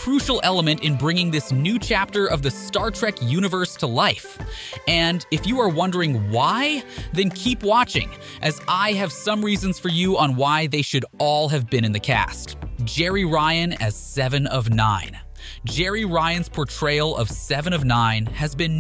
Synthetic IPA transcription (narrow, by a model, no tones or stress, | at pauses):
kʰɹ̥ʉʃl̩ˠɛlˠəmɨ̃ntɨ̃nbɹɪ̃ŋɪ̃ŋðɪsnʉt͡ʃʰæp̚tə˞ʔʌvðɨstɑɹtʰɹ̥ɛkjʉɾ̃ɨvə˞stʰəlaɪfɨ̃nɨfjɨə˞wʌ̃ndə˞ɪ̃ŋwaɪðɨ̃nkʰipwɑt͡ʃɪ̰̃ŋ | ʔɨzaɪɨv̥sʌ̃mɹizɨ̃nz̥fə˞jɨə̃nwaɪðeɪʃɨɾɔlˠɨvbɨ̃ñɨ̃nðɨkʰæ̰std̥ʒd͡ʒ̥ɛɹiɹaɪɨ̃nɨ̰z̥sɛvɨ̃nʌvnã̰ɪ̃n | d̥ʒ̥ɛɹiɹaɪɨ̃nz̥pʰɔɹtʰɹ̥eɪlˠʌ̰v̥sɛvɨ̃ñʌvnãɪ̃nɨzbɨ̃n